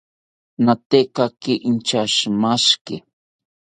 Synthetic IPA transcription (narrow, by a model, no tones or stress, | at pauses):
nat̪ekakɪʔint͡ʃaʃmaʃkɪ